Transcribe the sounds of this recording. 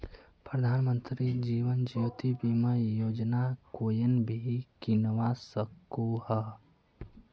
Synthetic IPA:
pɾəd̪ʱaːnmə̃nt̪ɾid͡ʒiːʋənd͡ʒiot̪ibiməjoːd͡ʒnakoːjənbʱikinwasəkohə

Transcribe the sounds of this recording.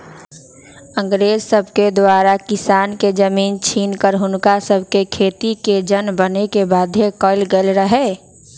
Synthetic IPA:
ə̃ŋɡɾeːzsəbʱked̪waːɾakɪsaːnked͡ʒəmiːnt͡ʃʰiːnkəɾɦʊnkasəbʱkekʰeːt̪iked͡ʒənbənekebaːd̪ʱjekəɪlɡelɾəɦeː

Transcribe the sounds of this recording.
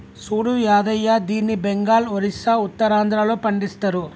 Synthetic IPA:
suːɽujaːðɐjaːd̪iːnibɛŋɡaːlɔɾɪsaːʊt̪ːɐɾaːnd̪ɪɾaːloːpɐɳɖɪst̪ɐɾu

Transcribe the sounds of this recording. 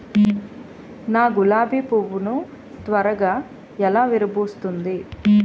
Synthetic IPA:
naːɡulaːbiːpoʋːunu | t̪ʋɐɾɐɡaː | ɛlaːʋiɾɐboːst̪und̪i

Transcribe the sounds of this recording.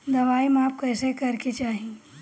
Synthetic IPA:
d̪ɐʋaːimaːp̚kəːsekɐɾket͡ʃaːɦĩ

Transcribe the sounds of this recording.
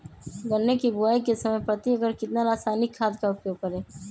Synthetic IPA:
ɡəɾnːekibʊaːikesɐməjpɾət̪iəɡəɾkɪt̪naɾaːsaːnɪkʰːaːd̪kaʊpjoːɡ̚kəɾeː

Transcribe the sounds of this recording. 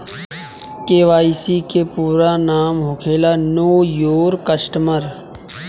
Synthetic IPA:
keːʋaːisikepuːɾanaːmɦʊkʰeːlanoːjoːɾkəsʈməɾ

